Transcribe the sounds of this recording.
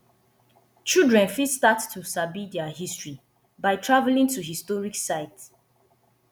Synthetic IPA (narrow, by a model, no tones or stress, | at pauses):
t͡ʃildɹɛ̃nfistattʰːusabidɛahistɹi | baɪtʰɹavɛlĩŋtuɦistɔɹiksaɪt